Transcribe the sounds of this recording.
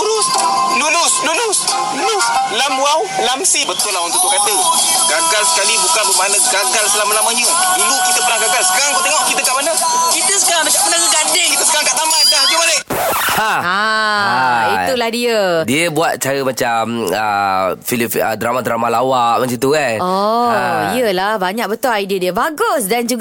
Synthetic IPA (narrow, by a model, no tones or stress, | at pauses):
uɾusluɾuslunʊs | lunuslamuawlamsibət̪ʊlawant̪uʔt̪ːukat̪ə | ɡaŋɡalsə̥kalibukanbumanəɡaŋɡalsəlamalamaɲu | ilukːit̪əpəlahɡaɡalsə̥kaɾaŋkət̪eŋɔhkit̪əkaʔmanə | kit̪əsəkaɾaŋdakaʔmənaɡəɡadeŋkit̪əsə̥kaɾaŋkaʔt̪amankaɡibaleʔ | haha | it̪ulahdiədiəbuat̪̚t͡ʃaɾəmat͡ʃamə̰filifə̰dɾamadɾamalawaʔmãsit̪ukanɔ | iəlahbaɲãk̚bət̪ʊlajdiədiəbaɡʊsdand͡ʒuɡ